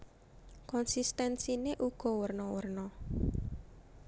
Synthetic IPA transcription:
kɔnsist̪ɛnsineʔuɡ̥ɔ̤wərnɔwərnɔ

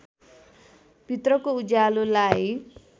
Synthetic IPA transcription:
pit̪rʌkoud͡zalulaj

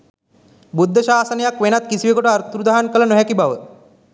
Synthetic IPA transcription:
bud̪ʱːəʃaːsənɐjakʋenat̪kisiʋekoʈəaɾt̪ɾud̪aɦankələnoɦɛkibaʋə

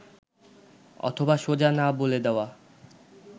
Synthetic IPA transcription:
ɔ̰t̪ʰobaʃod͡ʑanaboled̪eoa

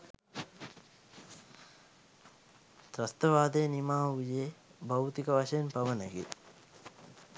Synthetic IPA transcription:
d̪ɾɐst̪ɐʋaːd̪eːnimaːujebɐwt̪ikɐʋɐʃɐjnpɐʋɐnɐɡḛ

